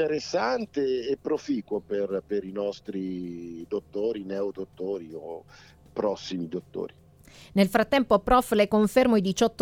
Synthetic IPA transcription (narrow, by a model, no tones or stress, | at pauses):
eɾesːant̪eːpːɾofiːkwoperpeɾinɔst̪ɾid̪ot̪ːoːɾinɛod̪ot̪ːoːɾio | pɾɔsːimid̪ot̪ːo̰ːɾi | nelfɾat̪ːɛmpopɾɔflekoɱfermoid̪it͡ʃɔt̪ː